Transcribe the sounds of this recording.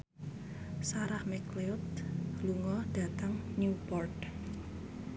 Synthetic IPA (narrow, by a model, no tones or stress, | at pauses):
saɾahmɛkleɔt̪̚luŋɔɖ̥ä̤t̪aŋnjupɔrt̪